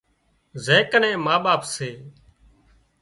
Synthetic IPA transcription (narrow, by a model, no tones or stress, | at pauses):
zẽːkənẽːmaːɓaːpseː